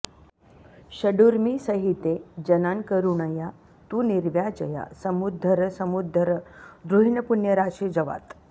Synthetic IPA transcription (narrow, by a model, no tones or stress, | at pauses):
ɕəɖuɾmisəɦit̪ed͡ʒɐnankəɾuɳəja | t̪uniɾʋjad͡ʒəja̰səmud̪ʱːəɾəsəmud̪ʱəɾd̪ɾuɦiɳəpunjəɾaʃed͡ʑɐʋa̰t̪